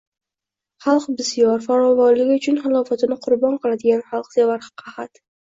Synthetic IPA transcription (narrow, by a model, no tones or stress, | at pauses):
χɑlˠqbɪsijɒɾfaɾɒvɒɾlɪɡʲɪʊt͡ʃʰʊnχɪlˠɒfat̪ɪnɪqʰʊɾbɒnqʰɨlˠad̪ɪɡʲanχɑlˠqz̥evaɾχɑ̥qʰɑhat̪